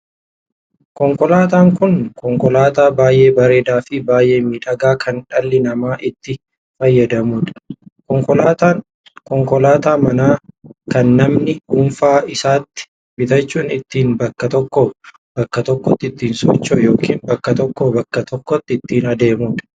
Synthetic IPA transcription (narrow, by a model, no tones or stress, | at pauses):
kɔŋkɔlaːt̪aːŋkʊnkɔŋkɔlaːt̪aːbaːjʔe̞ːbɐɾe̞ːd̪aːfɪbaːjʔe̞ːmiːᶑɐɡaːkʰɐnᶑɐlːɪnɐmaːʔɪt̪ːɪ | fɐjːɐd̪ɐmuːᶑɐ̥kɔŋkɔat̪ː | kɔŋkɔlaːt̪aːmɐnaːkɐnːɐmnɪʊɱfaːɪsaːt̪ːɪ̥ | bɪt̪ɐt͡ʃːuːnɪt̪ːiːnbɐkːɐt̪ɔkːɔ | b̥ɐkːɐt̪ɔkːɔt̪ːɪt̪ːiːnsɔ̰t͡ʃːɔjo̞ːkʰiːnbɐkːɐt̪ɔkːɔbɐkːɐt̪ʰɔkːɔt̪ːɪɪt̪ːiːnɐd̪e̞ːmuːᶑɐ̥